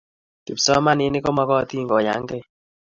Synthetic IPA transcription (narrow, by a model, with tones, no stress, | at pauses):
ki˨psɔ˦ma˦nɪ˨˦nɪ˦kɔ˦ma˦kɔ˦˨t̪i˦˨ŋɡɔ˨ja̰˨˦ŋɡɛ˦˨